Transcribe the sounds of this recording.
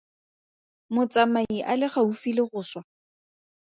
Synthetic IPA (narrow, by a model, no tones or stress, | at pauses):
mʊt͡sʼamaiʔalɪχaufilɪχʊːswa